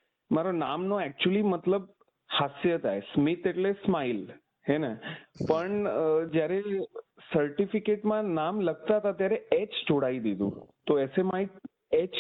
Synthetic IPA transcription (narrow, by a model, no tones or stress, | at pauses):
maɾona̰mnoɛk̚t͡ʃuəlimət̪ləb̚ | hasjət̪ʰaesmit̪eʈlesmail | ɦɛnɛpəɳd͡ʒjaɾe | səɾʈifikeʈmãnamləɡ̚t̪aɦət̪at̪jaɾɛet͡ʃd͡ʒoɽaid̪id̪ṵ̃t̪oɛsemai | et͡ʃ